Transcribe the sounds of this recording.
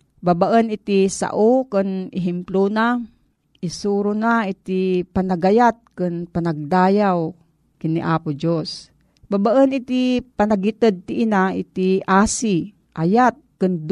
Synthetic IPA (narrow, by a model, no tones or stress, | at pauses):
babaʔənit̪isa̰ʔokɨnɪɦɛmplona | ʔisuɾʊnait̪ipanaɡajat̪̚kɨnpanaɡ̚d̪aːjaw | kinːiʔaːpʊd͡ʒos | babaʔənit̪ipanaɡit̪əd̪̚t̪iʔinaḭt̪iʔaːsi | ʔajat̪̚kɨnd̪